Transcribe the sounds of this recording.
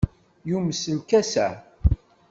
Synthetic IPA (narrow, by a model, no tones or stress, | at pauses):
juməsəlkæsæ̰